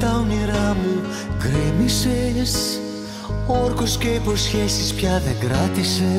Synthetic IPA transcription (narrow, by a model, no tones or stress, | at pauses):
t̪ɐwniɾɐmu | ɡɾemises | oɾkosceipo̞sçesispçɐðeŋɡɾɐt̪ise